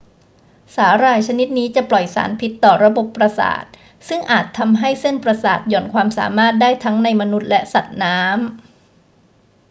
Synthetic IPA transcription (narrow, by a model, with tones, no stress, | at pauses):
saː˩˦ɾaː˧jt͡ɕʰa˧ni˦˥t̪̚niː˦˥t͡ɕa˨˩plɔ˨˩jsa̰ː˩˦npʰi˦˥t̪ːɔː˨˩ɾa˧bo˨˩pːɾa˧sa̰ː˨˩t̪̚ | sɯ˥˩ŋʔaː˨˩t̪ʰːa˧mɦa˥˩jse˥˩npɾa˧saː˨˩t̪̚jɔː˨˩nkʰwaː˧msa̰ː˩˦maː˥˩t̪̚daː˥˩jt̪ʰa˦˥ŋna˧jma˧nu˦˥t̪̚lɛ˦˥sa˨˩t̪̚naː˦˥m